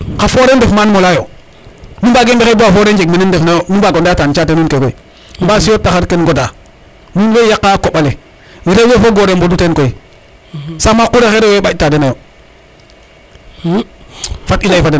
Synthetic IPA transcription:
kafoɾendefmanmolajo | numbaɡembexebowafoɾend͡ʒekmenendefnajonubaɡondatant͡ʃateninkekoi | mbasijotːaxaɾkenɡoda | nuwejakːakoɓale | ɾewefoɡoɾembodutenkoi | samakuɾexeɾeweɓatadenajo | fatilaifaden

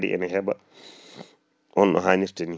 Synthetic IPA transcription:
ɾḭʔɛ̰nɛɦɛba | ʔɔnʔɔ̰ɦaːɲiɾtɛni

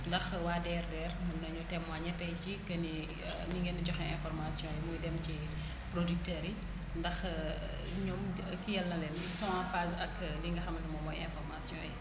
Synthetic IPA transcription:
ndɐxwaːdɛːrdɛːrmɐnːɐɲutɛmwaɲɛtːɐjcikɐni | niŋɡɛnɐɟɔxɛɛ̃nfɔrmasjɔ̃jimujdɛmci | pɾodyk̚tɛːɾi | ndɐx | ɲɔm | kːijɛlnɐlɛn | sɔ̃ãfasɐkliŋɡɐxɐmɐdimɔmɔjɛnfɔrmasjɔ̃jɛ

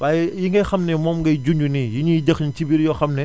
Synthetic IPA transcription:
baːjɛjiŋɡɐjxɐmnɛmɔːmɡɐjd͡ʒuɲd͡ʒunijiɲidɛxɲtibiɾjɔxɐmnɛ

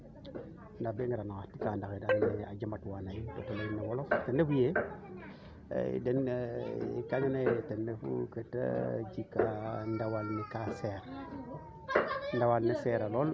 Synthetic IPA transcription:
ndabeŋɡiɾanakatikandakedania̰d͡ʒamatwanajto̰talajinawoloktenefuje | dɛn | kaɲanajtenːefṵketa̰d͡ʒikandawalnikaseɾ | ndawalniseɾalɔl

